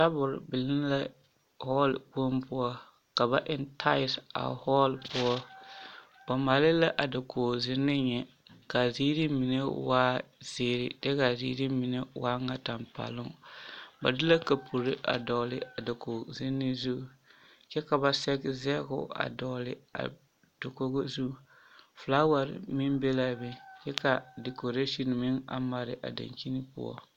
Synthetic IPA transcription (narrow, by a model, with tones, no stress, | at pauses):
ta˦bʊ˨ɾbɪ˨lɪ˦nla˦ | hɔ˦lku˦mpʊ˦ɔ˦ | ka˨ba˦ʔɪ˨ntʰa˦ɪ˨sa̰˨hɔː˦lpʊ˦ɔ˦ | ba˨ma˨lɪ˦la˦ʔa˨da˨koː˨zɪ˦nːɪ˦ɲɛ˨ | ka˨zi˦ɾi˦mi˨ne˦waː˦z̥eː˦ɾɪ˨d̥ɛ˦ka˨zḭː˦ɾi˦mi˨ne˦waː˦ŋa˦ta˨mpa̰˨lʊ˦ŋba̰˨dɪ˦la˦ka˨pʰu˨ɾɪ˦ʔa̰˨dɔ˨lɪ˦a˨do˨ko˨zɪ˦nːɪ˦zu˦˨ | t͡ʃɛ˦ka˨ba˨sɛ˦ɡzɛ˦ɡʊ̰˦a̰˨dɔ˨lɪ̰˨a̰˨ | d̥o˨ko˦ɡo˦zu˦˨ | fla˦wa˨ɾɪ̰˨mɪ˦mbe˦la˦bɪ˨t͡ʃɛ˦ka˨de˨ko˨ɾe˦ʃi˦˨n˨mɪ˦ŋa̰˨ma˨ɾɪ˨ʔa̰˨da̰˨ɲki˦ni˦pʊ̰˦ɔ̰˦